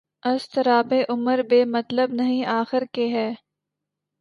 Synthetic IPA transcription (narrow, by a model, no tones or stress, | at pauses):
ɐst̪ɐɾaːbeʔʊməɾbeːmɐt̪ləbnɐɦĩaːxɪɾkeɦɛː